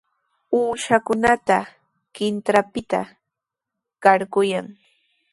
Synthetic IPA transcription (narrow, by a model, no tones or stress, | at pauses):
uːʃakʊnat̪a | kɪnt̪ɾapɪt̪a̰ | kaɾkʊjaŋ